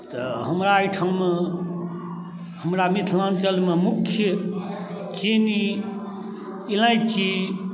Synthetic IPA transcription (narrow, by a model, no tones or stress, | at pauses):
t̪ɔɦəmɾaːjʈʰawme | həmɾamit̪ʰlant͡ʃəlmemukʰːjə | t͡ʃeni | ilãjt͡ʃʰi